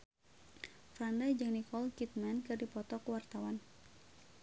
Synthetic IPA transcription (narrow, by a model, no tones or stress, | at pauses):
fɾandajd͡ʒɨŋnikɔlkit̪̚mɛnkɨrdipɔt̪ɔkuwart̪awan